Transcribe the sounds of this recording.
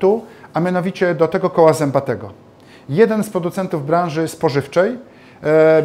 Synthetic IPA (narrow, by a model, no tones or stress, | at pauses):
t̪uʔamʲjanɔvʲit͡ɕɛd̪ɔt̪ɛɡɔkɔwazɛmbat̪ɛɡɔ | jɛd̪ɛnspɾɔd̪ut̪sɛnt̪uvbɾãnʐɘspɔʐɘft͡ʂɛj